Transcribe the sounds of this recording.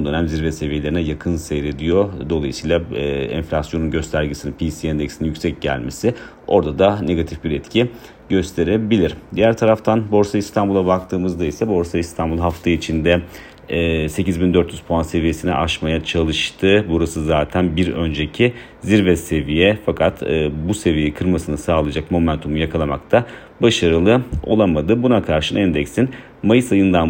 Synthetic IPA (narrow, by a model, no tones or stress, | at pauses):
ond̪ø̞næmʲziɾvɛse̞vije̞lʲeɾinɛjakʰɯnsejɾe̞d̪ijo̞d̪o̞lˠajɯsijlˠaɛ̰nflʲasjo̞nunɟø̞st̪ʰæɾɟesininpʰisiɛnd̪ɛksinijycʲsɛc̚ɟæ̰lʲme̞sɪ | o̞ɾd̪ad̪ane̞ɡat̪ʰifbiɾɛt̪cʰi | ɟø̞st̪ʰe̞ɾebilʲiɾd̪ijæɾt̪ʰaɾaft̪ʰanbo̞ɾsaist̪ʰanbulˠabak̚t̪ʰɯːmɯzd̪ajisabo̞ɾsaist̪ʰanbulˠɦaft̪ʰait͡ʃʰind̪ɛː | se̞cizbind̪øɾt̪jyz̥pʰoanse̞vije̞sinɛ̰ʔaʃmajat͡ʃʰalˠɯʃt̪ʰɯbuɾasɯzaːt̪ʰænbiɾø̞nd͡ʒe̞cʰi | ziɾvɛsse̞vijɛfakʰat̪ʰːbuse̞vijeɛkʰɯɾmasɯnɯsaːlˠad͡ʒakmo̞mænt̪ʰumujakʰalˠama̰k̚t̪ʰa | baʃaɾɯlˠɯo̞̰lˠamad̪ɯbunakʰaɾʃɯnɛnd̪ɛksin | majɯsajɯnd̪an